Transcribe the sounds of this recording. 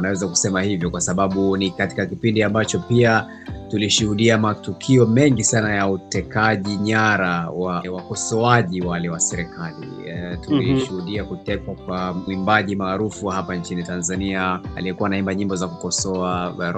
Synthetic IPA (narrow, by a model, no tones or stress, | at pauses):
nawɛzaku̥sɛmahivjɔkwasaɓaɓunikati̥kakipindiambat͡ʃɔpia | tuliʃuhuɗiamatukʰiɔmɛŋɡisanajautɛkaʄiɲaɾawawakɔsɔaʄiwalɛwasɛɾɛkalḭtuliʃuhuɗiakutɛkwak̚wamwimbaʄimaːɾufuhapant͡ʃinitanzaniaa̰lijɛkuwaːnaimbaɲimbɔzakukɔsɔaɾ